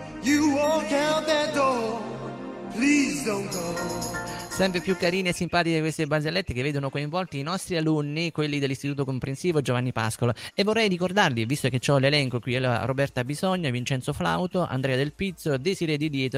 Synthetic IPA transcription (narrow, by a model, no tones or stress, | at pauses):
juwɔkaðədɔ | pʰlizd̪õʊ̃nɡo | sɛmpɾepjukːaɾiːniesːimpaːt̪ikekwest̪ebazelːet̪ːekevːeːd̪onokoiɱvɔlt̪iːnɔst̪ɾialunːikwelːid̪elːist̪it̪uːt̪okompɾensiːvod͡ʒovanːipa̰skolaevːorːɛjɾikord̪arlivist̪ok̟et͡ʃːɔlelɛŋkokwiɛlarobɛrt̪abizɔɲːovint͡ʃɛnt̪sofla̰wt̪oʔa̰nd̪ɾɛːad̪elpit̪sːod̪eziɾɛd̪id̪jɛːt̪